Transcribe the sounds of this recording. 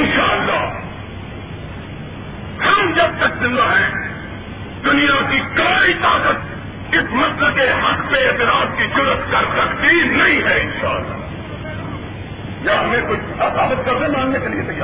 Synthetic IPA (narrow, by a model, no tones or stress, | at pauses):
ɪnʃaːəlːaː | hɐmd͡ʒɐb̚t̪ɐkzɪ̃nd̪aɦɛ̃ː | d̪ʊnijakikɐːɾit̪aːkət̪̚ | ɪsmɐsləkeɦɐkpeɪt̪ɪɾaːd̪kid͡ʒʊɾət̪kɐɾsɐkt̪inɐɦĩɦɛːɪ̃nʃa̰ːəlːa̰ː | jaːɦɐmẽkʊt͡ʃʰɐsaːbət̪̚ɡɐɾd̪ə̃mãːŋnekeliesɐa